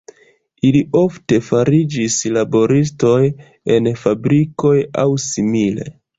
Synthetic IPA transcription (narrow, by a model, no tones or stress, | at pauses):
iliʔo̞fte̞faɾid͡ʒislabo̞ɾis̬to̞j | e̞nfabɾiko̞ja̰wsimile̞̰